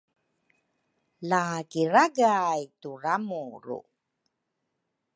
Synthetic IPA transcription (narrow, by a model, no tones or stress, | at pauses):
lakiɾaɡajturamuɾṵ